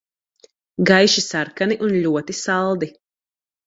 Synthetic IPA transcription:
ɡajʃisaɾkaniʔunʎʲuɔt̪isalˠd̪i

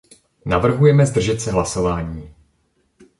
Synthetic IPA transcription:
navr̩ɦujɛmɛzd̪r̩ʒɛt̪sɛɦlaso̞vaːɲiː

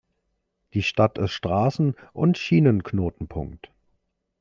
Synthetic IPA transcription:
d̥iːʃtatʰɪsʃtʁ̥aːsn̩ʔʊntʃiːnənknoːtn̩pʰʊ̰ŋkt

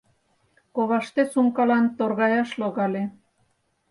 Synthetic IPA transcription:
koβɑʃt̪esuŋkɑlɑnt̪orɣɑjɑʃloɣɑle

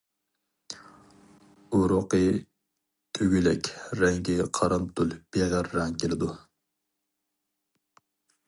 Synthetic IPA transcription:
oɾoqə | t̪ʰøɡʲylɛkʲɾɛŋɡʲiqʰɑɾɑmt̪ʰulb̥eʁæɾːɑŋkʲelɪd̪u

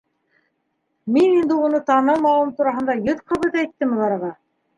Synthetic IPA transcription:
minind̪ɘunɤt̪ɑnɤlˠmɑw̪ˠɤmt̪uɾɑɦɤ̆nd̪ɑjɤðqʰɤ̆βɤðæjt̪ːɘmɘ̆lɑɾɤ̆ʁɑ

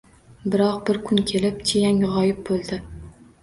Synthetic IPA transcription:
bɪɾɒq̚bɪɾkʰʊnkʲʰe̞lɪpt͡ʃ̪ʰejaŋʁɒjɪp̚bolˠd̪ɪ

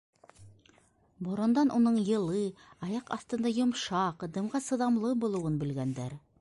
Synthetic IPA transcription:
bŏɾŏnd̪ɑnʔunɤɴjɤ̆lˠɤɑjɑqɑ̰θt̪ɤ̆nd̪ɑjŏmʃɑqd̪ɤ̆mʁɑsɤ̆ðɑmlˠɤbulˠŭwɤnbɘ̆lɡænd̪æɾ

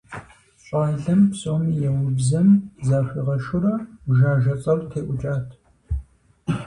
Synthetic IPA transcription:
ɕʼaːɮɐmpsʼoːmijɛwʊbzɐmzaːxʷiːʁɐʃʊrɐʒaːʒɐt͡sʼɐltʰeːʔʷʊt͡ʃʼaːtʰ

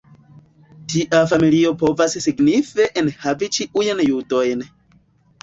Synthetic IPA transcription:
tiʔafamilio̞po̞vassiɡnife̞ʔenhavit͡ʃiʔujnjudo̞jn

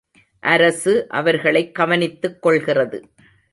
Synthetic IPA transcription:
ʔɐɾɐsɯʔɐ̰ʋɐɾɣɐɭɐɪkːɐʋɐnɪt̪ːɯkːɔɭɣɪrɐðɯ

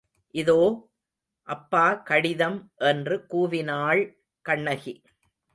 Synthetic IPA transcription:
ʔɪðoː | ʔɐpːaːkɐɽɪðɐmʔɛndrɯkuːʋɪnaːɭ | kɐɳːɐɣi

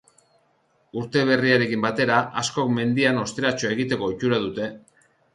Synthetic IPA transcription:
uɾt̪e̞β̞e̞riaɾe̞kimbat̪e̞ɾaʔasko̞kme̞nd̪iano̞st̪e̞ɾat͡ʃoe̞ɣit̪e̞ko̞it͡ʃuɾað̞ut̪e̞

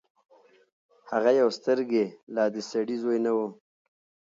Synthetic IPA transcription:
haɣajawst̪əɾɡelɑːd̪əsaɽizojnawu

